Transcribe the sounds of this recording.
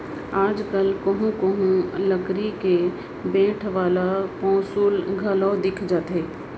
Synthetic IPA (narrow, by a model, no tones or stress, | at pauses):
aːd͡ʒkəlkəɦũkəɦũləɡɾike | bẽːʈʰʋaːlapɔ̃ːsuːlɡʱɐlɔːd̪ɪkʰd͡ʒaːt̪ɦɛː